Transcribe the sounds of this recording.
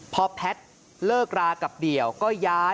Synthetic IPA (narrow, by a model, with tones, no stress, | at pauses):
pʰɔ˧pʰɛ˦˥t̪̚ | lɤː˥˩k̚ɾaː˧ka˨˩p̚di˨˩əwkɔː˥˩jaː˦˥